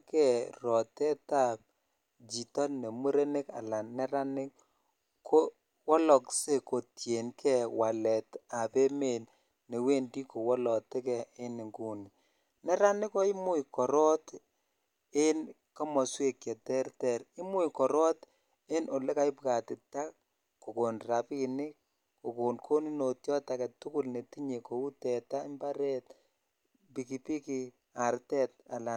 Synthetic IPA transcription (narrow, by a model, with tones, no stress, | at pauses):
kɛ˨ɾɔ˨tɛ˦ta˦p̚ | d͡ʒi˨tɔ˦ne˨mu˦ɾe˦ne˦ka̰˨la˨nnɛ˦ɾa˦nɪ˦k | ko˦ | wɔ˦lɔ˨kse˦ko˨tje˨nkɛ˦wa˨lɛ˨ta˨pe˦me˨n | ne˨we˦ndi˦ko˨wɔ˦lɔ˨te˦kɛ˨ɪ˦nɪ˨ŋɡu˨ni˨ | nɛ˦ɾa˦nɪ˦kɔ˦ɪ˦mʊ˦jkɔ˨ɾɔ˦t | ɪ˦nka˦mɔ˨swe˨kjɛ˨tɛ˦ɾtɛɾɪ˦mu˦jkɔ˨ɾɔ˦t | ɪ˦nʔo˨le˦ka˨˦ɪ˦pka˨tɪ˨ta˦ | ko˨ko˨nra˨pinɪ˦ | ku˨ko˨nkʰo˦ni˦no˨tjɔ˦takɛ˨tʊ˦kʊ˦lne˨ti˦ɲe˨ko˨u˦tɛ˨ta˦mba˦ɾɛ˦t | bi˨ki˨pi˦ki˨ | a˨ɾtɛ˦t̚a˨la˨